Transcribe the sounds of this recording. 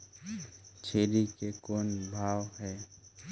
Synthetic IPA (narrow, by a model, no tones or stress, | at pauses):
t͡ʃʰeːɾikekoːnbʱaːwɦɛː